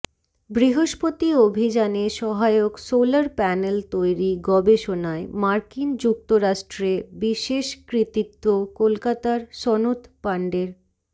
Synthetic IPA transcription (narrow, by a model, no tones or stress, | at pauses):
bɾiɦoʃpot̪iobʱid͡ʑaneʃɔɦaeoksolaɾpɛnelt̪ojɾiɡɔbeʃonaemaɾkind͡ʑuk̚t̪oɾaʃʈɾebiʃeʃkɾit̪it̪ːokolkat̪aɾʃɔnot̪paɳɖeɾ